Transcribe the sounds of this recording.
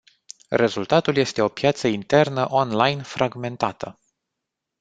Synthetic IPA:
re̞zult̪at̪ulje̞st̪e̞o̞pjat̪səint̪e̞rnəʔo̞nlajnfɾʔaɡme̞nt̪at̪ʰə

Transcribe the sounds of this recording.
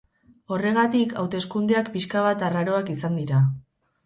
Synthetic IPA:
o̞re̞ɣ̞at̪ika̰wt̪e̞skund̪eakpiskaβ̞at̪araɾo̞akisand̪iɾa

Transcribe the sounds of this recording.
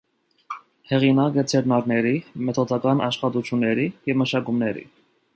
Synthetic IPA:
hɛʁinɑkət͡sʰɛɾnɑɾnɛɾimɛt̪ʰɔd̪ɑkɑnʔɑʃχɑt̪ut͡ʃʰjunːɛɾijɛvməʃɑkumnɛɾḭ

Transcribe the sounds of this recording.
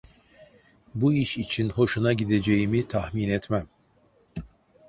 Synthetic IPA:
buiʃit͡ʃʰinho̞ʃunaɟid̪e̞d͡ʒejimit̪ʰahminɛt̪mæm

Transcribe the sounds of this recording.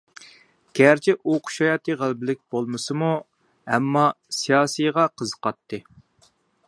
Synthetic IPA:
ɡ̥ʲæɾt͡ʃʰɪʔoqʰʊ̥ʃɑjɑt̪ʰɨʁælˠbɪlɪk̚ʲb̥olˠmɨsɨmu | ɛmːɑsijɑːsijʁɑqʰəzəqɑt̪ːɨ

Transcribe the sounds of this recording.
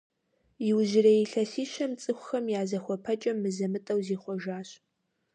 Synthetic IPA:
jɪwʒɪrɐjiɬɐsiːʃɐmt͡sʼɨxʷʊxɐmjaːzɐxʷɔpʰɐt͡ʃʼɐmːɨzɐmɨtʼɐwziːχʷɔʒaːɕ

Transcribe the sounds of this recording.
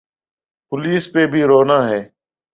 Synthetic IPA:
pʊliːspeːbʱiːɾoːnãːɦɛː

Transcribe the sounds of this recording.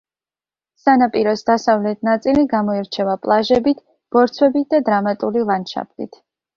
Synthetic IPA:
sanapʼiɾɔsd̪asavlɛt̪̚ʰnat̪sʼiliɡamɔiɾt͡ʃʰɛvapʼlˠaʒɛbit̪ʰ | b̥ɔɾt̪sʰwɛbit̪̚ʰd̪ad̪ɾamat̪ʼulilˠanʃa̰pʰlḭt̪ʰ

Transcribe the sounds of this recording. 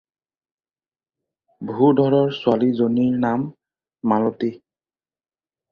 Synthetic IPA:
bʱudʱɔɹɔɹsʊalizoniɹnamː | alɔti

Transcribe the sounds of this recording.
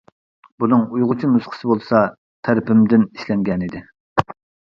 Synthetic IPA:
bunɨŋujʁʊt͡ʃʰinusqʰə̥sɨbolˠsɑ | t̪ʰæɾɪpɪmd̪ɪniʃlɛŋɡʲɛnid̪ɪ

